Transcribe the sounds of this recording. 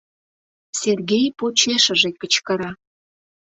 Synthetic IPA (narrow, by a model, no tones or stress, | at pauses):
serɣʲejpot͡ɕeʃə̆ʒek̚ːə̆t͡ɕkə̆ɾɑ